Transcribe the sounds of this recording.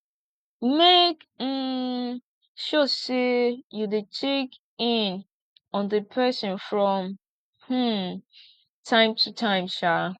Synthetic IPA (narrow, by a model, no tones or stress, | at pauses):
mek̩ | ʃɔsejudetʰek | ɪ̃n | ɔ̃nðɨpʰɜsɔ̃nfɹɔ̃m | h̩ | tʰãɪ̃mtʰutʰãɪ̃mʃa